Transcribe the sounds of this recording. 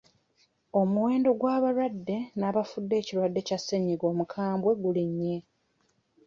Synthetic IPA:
o̞muwe̞ːndo̞ɡwaːβaɾwadːe̞naːβafudːe̞ːciɾwadːe̞casːe̞ɲːiɡo̞ːmukʰaːmbwe̞ɡuliɲːe

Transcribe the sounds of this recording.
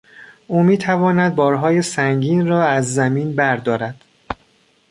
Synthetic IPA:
ʔuːmiːt̪ʰævɒːnæd̪̚bɒːɾɦɒːjesæŋɟiːnrɒːæzːæmiːnbæɾd̪ɒːɾæd̪̥

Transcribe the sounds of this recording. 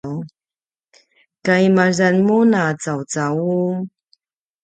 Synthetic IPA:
w | kajimazanmunaːt͡sawt͡sau

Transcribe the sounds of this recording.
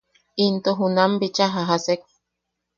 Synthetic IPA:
int̪oɦunambit͡ʃaɦaɦasek̚

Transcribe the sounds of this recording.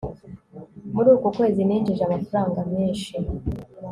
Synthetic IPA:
muɾuːkukwe̞ːziniːnd͡ʒiʒamafaɾaːŋɡameːnʃi

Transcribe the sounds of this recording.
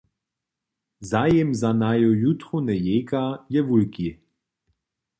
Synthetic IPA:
zajɛmzanajojut̪χunɛjeːkajɛvulki

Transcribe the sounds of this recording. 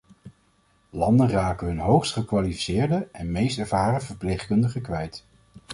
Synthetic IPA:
lɑndənraːkəɦɵnɦowχstχəkʋalifi̥sɪːɹdəɛnmejstɛɹvaːɾəvəɹplejχkɵndəχəkʋɛjt

